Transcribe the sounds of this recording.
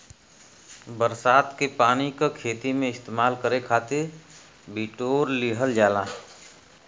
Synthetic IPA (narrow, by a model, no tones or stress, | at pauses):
bəɾsaːt̪kepaːnikakʰeːt̪imẽɪst̪eːmaːlkəɾekʰaːt̪ɪɾ | biːʈoːɾliɦəld͡ʒaːla